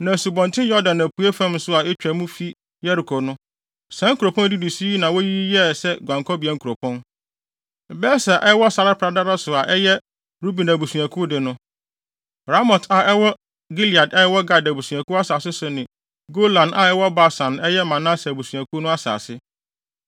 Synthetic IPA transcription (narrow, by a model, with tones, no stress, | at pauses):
nã˨su˨bɔ̃˨ntʰɪ̃˦jɔ˦dã˨næ˨pʰu˨˦e˦fã˦m˦sʊ˦a˨ɛ˦t͡ɕᶣɛ˨mũ˦fi˦ | jɛ˦ɾi˨kʰɔ˨nʊ̃˦ | sã˨˦ŋ̩˦kʰu˨ɾo˨pʰɔ̃˦n˦dɪ˦di˨si˦i˦nã˨wo˦ji˦jɛ˦sɛ˦ɡʷã˨ŋkʰɔ˦bi˨ɛ˨ŋ̩˦kʰu˨ɾo˨pʰɔ̃˦n˨ | bɛ˦sa˨ʔɛ˦wɔ˦sa˨ɾa˦pʰɾa˨da˦ɾa˦sʊ˨a˨ʔɛ˦jɛ˦ | ɾu˦bi˨næ˨bu˨su˨ã˨kʰʊ˦dɪ˨nʊ̃˦ | ɾa˦mɔ˨tʰa˨ɛ˦wɔ˦ | ɡi˦li˨a˨dɛ˦ɛ˦wɔ˦ɡa˨da˨bu˨sũ˨ã˨kʰu˦a˦saː˨sɪ˦sʊ˨nɪ̃˨ | ɡo˦lã˨nʔa˨ɛ˦wɔ˦ba˦sã˨nɛ˦jɛ˦mã˨nã˦sbu˨su˨ã˨kʰu˦nʊ̃˦a˦sa̰ː˨sɪ˦